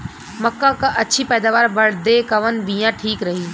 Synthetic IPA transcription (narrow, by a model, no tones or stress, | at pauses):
mɐkːakaʔɐtːʃʰipɛːd̪aːʋaːɾbɐɽ̤d̪ekɐʋənbijãʈʰiːkɾɐɦiː